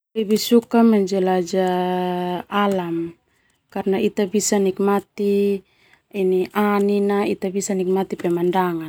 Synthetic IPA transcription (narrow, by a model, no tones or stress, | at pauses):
ɛbisukamad͡ʒɛlad͡ʒa | alam | karnait̪abisanik̚mat̪i | iniʔaninait̪abisanik̚mat̪ipɛmandaŋa